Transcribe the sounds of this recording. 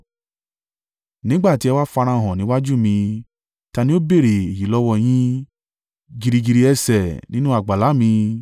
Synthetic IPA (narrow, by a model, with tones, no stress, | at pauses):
nĩ˦ɡ͡ba˦˨ti˨˦ɛ˧wa˦fa˧ɾ̃ã˧˨ɦɔ̃˨nĩ˨˦wa˦d͡ʒu˦˨mĩ˧ | ta˧nĩ˦o˦be˦˨ɾe˨e˨ji˨˦lɔ˦wɔ˧j̃ĩ˦ | ɡi˧ɾi˧ɡi˨˧ɾi˧ɛ˧sɛ˨nĩ˦nũ˦a˦˨ɡ͡ba˨la˨˦mĩ˧